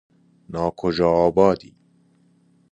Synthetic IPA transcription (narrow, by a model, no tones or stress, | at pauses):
nɑːkʰoʒɑːbɑːd̪ḭː